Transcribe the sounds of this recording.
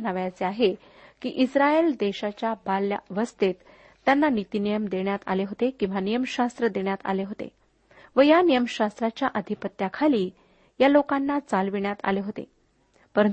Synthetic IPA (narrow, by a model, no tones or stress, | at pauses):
naʋjat͡seaɦe | kiːʔisɾaeld̪eɕat͡ɕjabalja̰ʋəst̪et̪ː | janːanit̪inijəmd̪eɳjat̪a̰leɦot̪ekĩw̃ʋanijəmɕast̪ɾəd̪eɳjat̪a̰leɦot̪ḛ | ʋəjanijəmɕast̪ɾat͡ɕjaʔəd̪ʱipət̪ːjakʰaliː | jalokanːat͡salʋiɳjat̪a̰leɦot̪ḛ | pəɾən